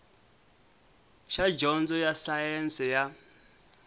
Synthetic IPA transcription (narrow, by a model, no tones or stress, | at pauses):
ʃad͡ʒɔnd͡zɔjasajɛnsɛja